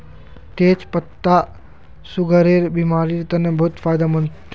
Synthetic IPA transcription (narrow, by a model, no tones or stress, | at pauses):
t̪eːt͡ʃpɐt̪ːa | suɡʱəɾeːɾbimaːɾiːɾt̪ɐnəbʱʊt̪faːjd̪amɐnt